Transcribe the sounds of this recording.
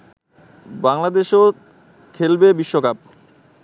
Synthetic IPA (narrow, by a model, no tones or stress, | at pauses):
baŋlad̪eʃo | kʰelbebiʃːokap̚